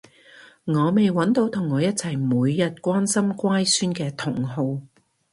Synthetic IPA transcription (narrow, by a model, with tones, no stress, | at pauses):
ŋɔː˨˧me˨jwɐ˨˥nt̪o˨˥wt̪ʰʊ˨˩ŋːɔː˨˧jɐ˥t̚t͡sʰɐ˨˩jmuː˨˧jːɐ˨t̚kʷaː˥nsɐ˥mkʷaː˥jsyː˥nkɛː˧t̪ʰʊ˨˩ŋɦo˨˧w